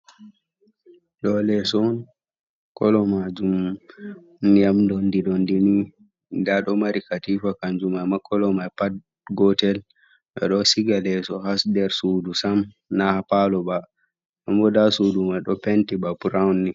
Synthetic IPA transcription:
ɗɔlɛsɔn | kɔlɔmad͡ʒum | nijamdɔndiɗɔndini | daɗɔmaɾikatifakand͡ʒumajmakʰɔlɔmajpad̚ | ɡɔtɛl | ʔɛ̰ɗɔsiɡalɛsɔhasdɛɾsuːdusam | nahapalɔba | ʔɔmbɔdasudumaɗɔpɛntibabuɾawnːi

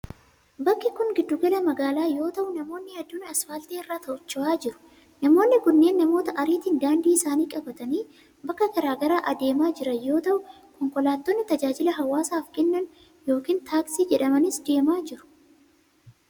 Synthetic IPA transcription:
bɐkːɪkʊŋɡɪd̪ːʊɡɐlɐmɐɡaːlaːjo̞ːt̪ɐʔʊnɐmo̞ːnːɪhɛd̪ːʊːnɐsfɐːlt̪eːɪrːaːt̪ɐʔʊt͡ʃːʊaːd͡ʒɪɾʊ̥ | nɐmo̞ːnːɪkʊnːe̞ːnːɐmo̞ːt̪ɐʔɐɾiːt̪iːnd̪aːnd̪iːɪsaːniːkʼɐbɐt̪ɐniː | bɐkːɐkɐɾaːɡɐɾaːʔɐd̪e̞ːmaːd͡ʒɪɾɐjo̞ːt̪ɐʔʊ | kɔŋkɔlaːt̪ːoːnːɪt̪ɐd͡ʒaːd͡ʒɪlɐɦɐwːaːsaːfkʼɛnːɐn | jo̞ːkiːnt̪ʰaːksiːd͡ʒɛᶑɐmɐnɪsd̪e̞ːmaːd͡ʒɪɾʊ̥

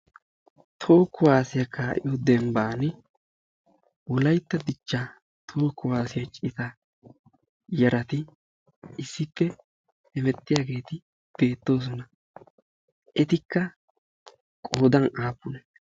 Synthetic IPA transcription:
t̪ʰo̞ːkːʊwaːsɪjɐkaːʔɪ̰jɔd̪ɛmbaːnɪ | wɔlɐjt̪ːɐd̪ɪt͡ʃːɐ | t̪ʰo̞ːkːʊwaːsɪjɐt͡ʃʼɪt̪ɐ | jɐɾɐt̪ɪ | ɪsːɪpːɛ | ɛmɛt̪ʼːɪjaːɡe̞ːt̪ɪ | b̥e̞ːt̪ːo̞ːs̬ɔnɐ | ʔɛt̪ɪkːɐ | kʼoːd̪ɐnaːpːʊnɛ

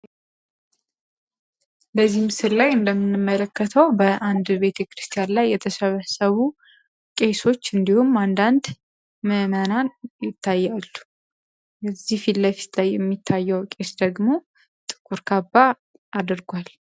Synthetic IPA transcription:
bəzːihmɨsɨɾlajɨnd̪əmːɨnːɨmːələkːət̪ʰəwbəʔand̪be̞t̪ʰekɾɨst̪ʰʼijanlajːɛt̪ʰəsəβəsəβu | kʼe̞so̞t͡ʃːɨnd̪ihumand̪and̪ | məmənanjɪt̪ʰːajːalːu̥ | jɛzːihfilləfi̥t̪ʰlajːɛmːit̪ʰːajːəwkʼe̞sd̪əɡmo̞ | t̪ʼɨ̥kʼuɾkʰabːa | ad̪ɨɾɡʷal

